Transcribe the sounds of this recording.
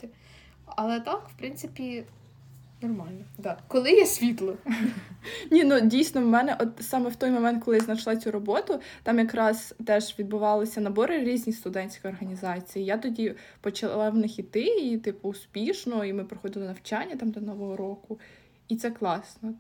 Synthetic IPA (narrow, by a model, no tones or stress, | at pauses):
ɐlˠɛt̪ɑkwpɾɪnt̪sɪpʲi | nɔrmɑlʲnɔd̪ɑkɔlˠɪjɛsʲʋʲit̪lˠɔ | nʲinudʲijsʲnɔwmɛnɛʔɔt̪sɑmɛwt̪ɔjmɔmɛnt̪̚kɔlˠɪjznɐʃlˠɑt͡sʲuɾɔbɔt̪ʊt̪ɑmjɐkɾɑzt̪ɛʒʋʲid̪̚bʊʋɑlˠɪsʲɐnɐbɔɾɪɾʲizʲnʲijst̪ʊd̪ɛnʲsʲkɔjɔrɦɐnʲizɑt͡sʲijijat̪ɔdʲipɔt͡ʃɐlˠlˠɑwnɪxʲit̪ɪit̪ɪpʊːspʲiʃnɔimɪpɾɪxɔd̪ɪlˠnɐwt͡ʃanʲːɐt̪ɑmd̪ɔnɔʋɔɦɔɾɔkʊ | it̪sɛklˠɑsnɔ